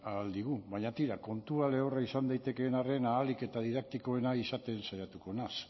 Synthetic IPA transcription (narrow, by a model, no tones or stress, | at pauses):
ald̪iɣ̞uβaɲat̪iɾako̞nt̪uale̞oraisand̪ajt̪e̞ke̞ːnare̞naːlike̞t̪aðiðak̚t̪iko̞e̞naisat̪e̞nsajat̪uko̞nas